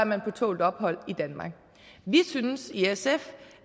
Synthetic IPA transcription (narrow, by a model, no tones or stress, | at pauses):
ɐmænpʰɒ̽t͡sʰo̝̰ːld̥ɒ̽b̥ɦɒ̽l̰id̥ænmɑ̈ɡ̥̚ | ʋisynsiesef